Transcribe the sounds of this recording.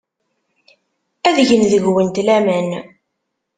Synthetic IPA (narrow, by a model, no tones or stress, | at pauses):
æðʝənðəʝwənt̪læmæn